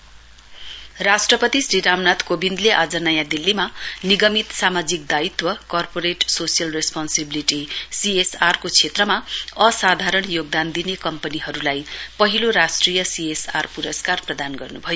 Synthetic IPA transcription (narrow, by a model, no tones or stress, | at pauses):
rasʈrʌpʌt̪isriɾamnat̪kobind̪leʔad͡zʌnʌjãd̪ilːimaniɡʌmit̪samad͡zik̚d̪ait̪wʌkʌrpoɾeʈsosijʌlrespansebiliʈisiesarkot͡sʰet̪rʌmaʌsad̪ʱaɾʌɳjoɡ̚d̪and̪inekʌmpʌniɦʌɾulajpʌɦiloɾasʈrijʌsiesarpuɾʌskarprʌd̪anɡʌrnubʱʌjo